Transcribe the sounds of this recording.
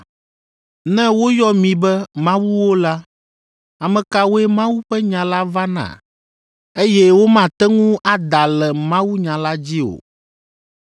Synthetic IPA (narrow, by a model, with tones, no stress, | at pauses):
nɛ̃˦wo˦jɔ˦mĩ˨bɛ˦mã˦wu˦wo˦la˦ | a˨mɛ̃˨ka˨wo˦ɛ˦mã˦wu˦ɸɛ˦ɲã˨la˦va˦nã̰˨ | e˦jɛ˦wo˦mã˨t̪ɛ˦ŋũ˦ʔa˦d̪a˨lɛ˨mã˦wu˦ɲã˨la˦d͡ʑi˦o̰˨